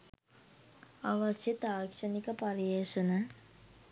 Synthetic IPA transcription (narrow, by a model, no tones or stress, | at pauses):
aːʋɐʃjet̪aːkʂɐnikɐpɐɾiʋeːʂɐnɐ